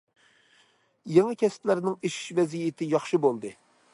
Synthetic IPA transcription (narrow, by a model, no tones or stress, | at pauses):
jeŋɨkʲɛsplæɾnɪŋeʃi̥ʃvɛzijɪt̪ʰɪjɑχʃɨbolˠd̪ɨ